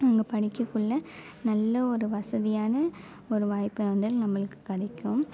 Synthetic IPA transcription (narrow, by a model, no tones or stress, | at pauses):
ɐŋɡɐpɐɽɪkːɯkːɯɭːɐ | nɐlːɐɔɾɯʋɐsɐðɪjaːnɐ | ɔɾɯʋaːjpːɯɐnd̪ɪlnɐmːɐɭɯkːɯ̥kːɪɽɐɪkːɯm